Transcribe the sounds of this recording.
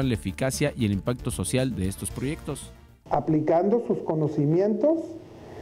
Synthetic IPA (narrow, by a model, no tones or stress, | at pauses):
onlaefikasjaʔie̞limpak̚t̪o̞so̞sjald̪e̞est̪o̞spɾo̞ʝe̞k̚t̪o̞s | aplikand̪osuskonosimje̞nt̪os